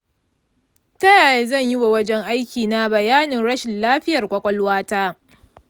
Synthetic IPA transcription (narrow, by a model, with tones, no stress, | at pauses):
tɐ˦jaː˨je˦zɐ˦˨ɲji˦wa˨wɐ˦d͡ʒɛ˦ŋʔa˦jkʲiː˨na˦bɐ˨jaː˦nɪ˨ŋɽɐ˦ʃɪ˨nlaː˦ɸɪ˦jɐ˨rkʷʼɐ˦kʷʼɔ˦lwaː˦taː˦